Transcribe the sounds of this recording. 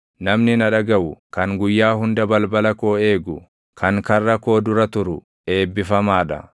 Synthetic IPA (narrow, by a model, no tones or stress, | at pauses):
nɐmnɪnɐᶑɐɡɐwʊkɐŋɡʊjːaːɦʊnd̪ɐbɐlbɐlɐko̞ːe̞ːɡʊ | kʰɐŋkɐrːɐko̞ːd̪ʊɾɐt̪ʊɾʊ | e̞ːbːɪfɐmaːᶑɐ